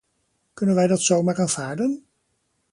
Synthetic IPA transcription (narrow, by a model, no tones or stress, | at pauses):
kɵnənʋɛjdɑtsowmaːɹaːnv̥aːɹdən